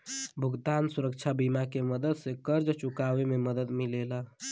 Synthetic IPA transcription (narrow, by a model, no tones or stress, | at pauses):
bʱuɡt̪ansuɾəkt͡ʃʰabimakeməd̪əd̪sẽkəɾd͡ʒt͡ʃukaʋememəd̪əd̪milela